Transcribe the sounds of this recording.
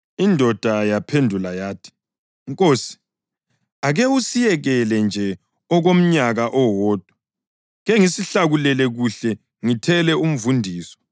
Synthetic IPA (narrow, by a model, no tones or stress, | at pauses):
indʱɔd̥ʱajapʰendʱulajaːtʰi̥ | ŋkʼoːsi̥ | aɣɛusijɛɣɛlɛnd͡ʒʱɛ | ɔɣom̩ɲaɣaʔɔwɔːd̥ʱɔ̥ | ɣɛŋisiɬaɣulɛlɛɣuɬɛ | ŋitʰɛlɛum̩vundʱiːsɔ̥